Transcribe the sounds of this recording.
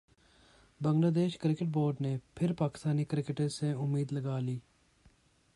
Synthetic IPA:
bə̃ŋɡlaːd̪eːʃkɾɪkɪʈboːɾɖneːpʰɪɾpaːkɪ̥st̪aːniːkɾɪkɪʈəsẽʊmːiːd̪ləɡaːliː

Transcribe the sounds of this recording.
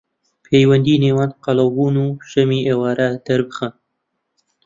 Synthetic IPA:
pʰejwɐnd̪iːneːwanqɑlɐwbuːnuːʃɐmiʔeːwɑːɾad̪̥ɐɾbɨxan

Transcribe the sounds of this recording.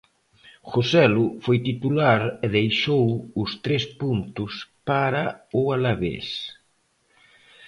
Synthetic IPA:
xosɛlʊfojt̪it̪ulaɾɪðejʃowʊst̪ɾespunt̪ʊspaɾaʊalaβḛs

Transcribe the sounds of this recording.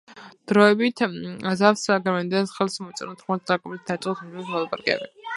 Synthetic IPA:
d̪̥ɾɔɛbit̪ʰazafsaɡɛmɛnd̪ɛnsχɛlˠsmɔt̪sʼɛnɔt̪ʰχmat̪̚d̪aɡʼɔbisd̪at͡ʃʼχʼɔsʰumismɔlˠapʼaɾɡɛ̰bɛ̰

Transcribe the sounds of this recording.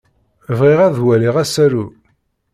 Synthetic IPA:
vʁiʁæðwæliʁæsæɾu

